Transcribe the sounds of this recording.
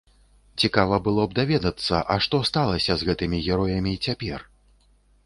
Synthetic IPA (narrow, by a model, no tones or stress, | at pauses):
t͡sʲikavɐbɨlˠɔb̚d̪avʲɛd̪ɐt̪sːɐʔɐʂt̪ɔst̪alˠɐsʲɐzɣɛt̪ɨmʲiɣʲɛɾɔjɐmʲit͡sʲapʲɛr